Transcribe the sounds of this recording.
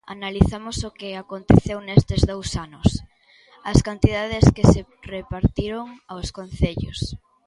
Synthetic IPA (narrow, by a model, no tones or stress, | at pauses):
a̰naliθamosokeakont̪eθewnest̪ezðowsanʊs | ɐskant̪ið̞aðeskese | repaɾt̪iɾoŋawskonθeʎo̰s